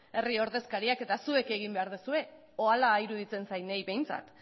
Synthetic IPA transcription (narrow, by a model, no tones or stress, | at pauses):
e̞rio̞ɾðe̞skaɾiake̞t̪asue̞ke̞ɣ̞imbe̞aɾðusue̞ | oalaiɾuðit͡se̞nsajnejβe̞jnt͡sa̰t̪